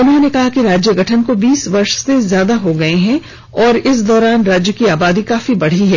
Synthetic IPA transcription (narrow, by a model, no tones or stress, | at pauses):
ʊnɦõnekɐɦakiɾaːd͡ʒjəɡʱɐʈʰənkobiːsʋɐɾʃsezjaːd̪aɦoɡɐeɦɛ̃ | ɔːɾɪsd̪ɔːɾaːnɾaːd͡ʒjəkiaːbaːd̪ikaːfibɐɽ̤iɦɛː